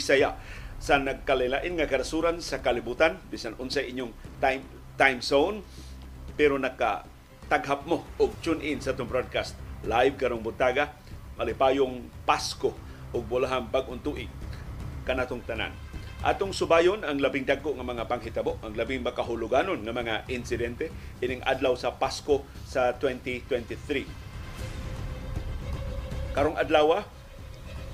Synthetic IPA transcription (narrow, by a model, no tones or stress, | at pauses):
sajasanaɡ̚kalajlaːʔɪnŋakaɾasuɾansakalibuːt̪anbiːsanʔʊnsajʔiɲʊŋt̪ajm | t̪ajmsown | pɛɾonaka̰ | t̪aɡɦap̚moʔʊɡ̚t͡ʃʊnʔɪnsaʔat̪ʊŋpɾod̪̚kast̪̚laɪv̚kaɾoŋbʊt̪aɡa | malɪpaːjʊŋpasko | ʔʊɡ̚bʊlaɦanpaɡ̚ʔʊnt̪uʔɪ | kanʔaːt̪ʊŋt̪ana̰n | ʔa̰t̪ʊŋsʊbajʊnaŋlabɪŋd̪aɡ̚koʔŋamaŋapaŋɦɪt̪aboʔaŋlabɪŋmakaɦʊlʊɡanonŋamaŋaʔɪnsɪd̪ɛnt̪ɛ | ʔɪnɪŋʔa̰d̪lawsapaskosat̪wɛnt̪it̪wɛnt̪iθɾi | kaɾoŋad̪laːwa